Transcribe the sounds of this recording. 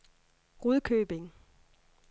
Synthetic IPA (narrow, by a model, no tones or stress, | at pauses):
ʁuðˠkʰøːb̥e̝ŋ